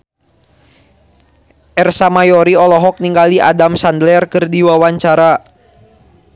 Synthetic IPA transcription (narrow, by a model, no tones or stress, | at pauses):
ʔɛrsamajɔɾiɔlɔɦɔk̚niŋɡaliʔa̰damsandlɛrkɨrdiwawaɲt͡ʃaɾa